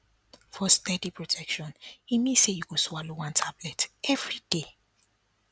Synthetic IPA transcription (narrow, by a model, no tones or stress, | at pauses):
fɔstɛdipɹɔtʰɛkʃɔ̃nimĩsejuɡoswalowãntʰablɛtɛvɹide